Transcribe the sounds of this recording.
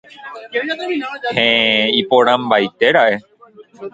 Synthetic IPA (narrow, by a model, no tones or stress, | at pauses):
hẽipoɾãmbajt̪eɾae